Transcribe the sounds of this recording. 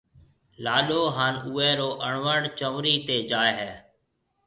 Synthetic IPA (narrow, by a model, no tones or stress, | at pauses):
laːɗoːɦaːnuːɛːɾoːʔəɳʋəɳɖt͡ʃəʋɾiːt̪eːd͡ʒaːeɦɛː